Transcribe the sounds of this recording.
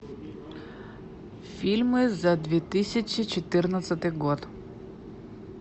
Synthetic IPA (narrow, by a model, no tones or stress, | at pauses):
filʲmɛzad̪vɛt̪isʲat͡ʃit͡ʃɛt̪ɨɾnat̪sɛt̪ɛɡɔt̪